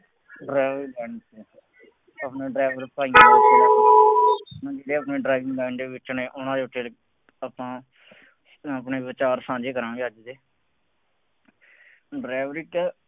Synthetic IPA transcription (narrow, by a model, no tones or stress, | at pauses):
ɖɾɛːʋɾiːlɛːɳseː | əpnẽːɖɾɛːʋəɾpaːiãː | d͡ʒeːɽeːapnẽːɖɾaːɪʋɪ̃ŋɡlɛːɳdeːʋɪt͡ʃːnẽːʔʊnãːd̪eːʊʈeːl | əpãː | əpneːʋɪt͡ʃaːɾsãːd͡ʒeːkəɾãːɡeːəd͡ʒd̪eː | ɖɾɛːʋɾiːʈː